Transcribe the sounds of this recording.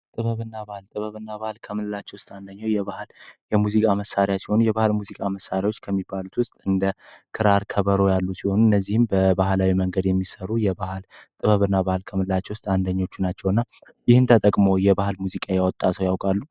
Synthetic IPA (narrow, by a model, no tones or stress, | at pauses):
t̪ʼɨβəβɨnːabahlt̪ʼɨβəβɨnːaβahlkʰəmɨlɨlat͡ʃːɛwʊst̪ʼand̪əɲːawjɛβahljɛmuzikʼaməsːaɾjasi̥ho̞nujɛbahɨlmuzikʼaməsːaɾjawot͡ʃːkʰəmːibːalut̪wʊst̪ʼɨnd̪əkʰɨɾaɾkʰəβəɾo̞jalːusiho̞nuɨnːəzːihɨmbəbahlawiməŋɡəd̪jɛmːisəɾujɛbahlt̪ʼɨβəβɨnːabahlkʰəmɨlɨlat͡ʃːɛwʊst̪ʼand̪əɲːo̞t͡ʃːunat͡ʃːɛwɨnːa | jɪhɨnt̪ʰət̪ʼəkʼmo̞jɛbahɨlmuzikʼajawɔt̪ʼːat̪ʰəwjawkʼalːu